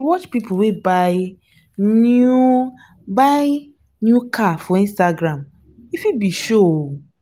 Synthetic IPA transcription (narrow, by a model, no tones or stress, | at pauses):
wɔt͡ʃpipʰʊwebaɪ | nu | baɪ | njukʰafɔĩnstaɡɾãm | ifibiʃoo